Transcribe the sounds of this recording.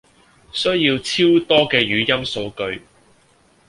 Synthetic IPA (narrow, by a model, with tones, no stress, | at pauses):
sɵ˥jiː˧wt͡sʰiː˥wt̪ɔː˥kɛː˧jyː˨˧jɐ˥mso˧wkɵ˧ɥ